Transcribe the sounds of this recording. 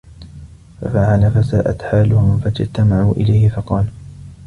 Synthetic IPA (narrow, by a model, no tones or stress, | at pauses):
fa̰faʕalafasaːʔa̰t̪ħaːlʊhʊmfad͡ʒt̪amaʕuːʔɪ̰lajhɪfɑqɑːl